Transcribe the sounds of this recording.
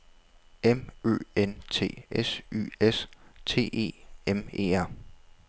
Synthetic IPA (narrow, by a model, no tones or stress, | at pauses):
emø̰ːent͡sʰe̝̰ːesy̰ːest͡sʰe̝̰ːe̝̰ːeme̝̰ːæɐ̰